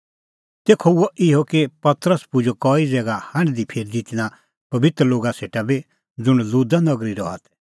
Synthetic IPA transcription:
t̪eːkʰoʊoʔɪɦokepɐt̪ɾəspʊd͡ʒokɔːid͡zɛːɡahɐ̃ɽ̃d̪ipʰeːɾd̪ɪt̪ña | pɐbɪt̪ɾəloːɡaseːʈabi | d͡zʊɽ̃luːd̪anɐɡɾiɾɔ̰a̰t̪ʰɛ̥

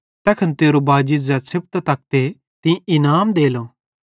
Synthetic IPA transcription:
t̪ɛːkʰənt̪eːɾobaːd͡ʒɪzɛsʰɪp̚t̪t̪ɐk̚t̪e | t̪ɪ̃ĩɪnaːmd̪eːlo

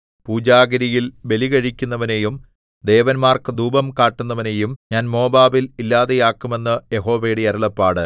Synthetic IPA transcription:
puːd͡ʑaːɡɐɾijilʋe̞liɣɐɻikʲːunːɐʋɐne̞jum | d̪e̞ːʋɐnmaːrkɨd̪uːbɐmkaːʈːunːɐʋɐne̞ːjumɲaːnmo̞ːbaːbililːaːðejaːkːume̞nːɨje̞ɦo̞ːʋejɽeɐɾuɭɐpːaːɽɨ

